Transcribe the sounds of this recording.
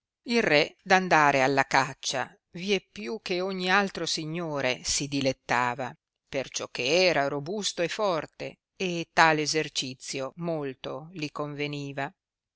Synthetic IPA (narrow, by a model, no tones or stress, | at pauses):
ilrɛd̪and̪aːɾealːakat͡ʃːa̰ | viɛpːjuk̟ːeoɲːialt̪ɾosiɲːoːɾesid̪ilet̪ːaːva | pert͡ʃɔk̟ːeɛːɾaɾobust̪oefːɔrt̪ḛ | et̪ːaːleːzert͡ʃit̪sːjomolt̪olikoɱveniːva